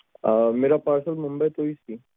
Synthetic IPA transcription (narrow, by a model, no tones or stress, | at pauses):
meːɾapaːɾsəlmʊ̃mbəjt̪oisiː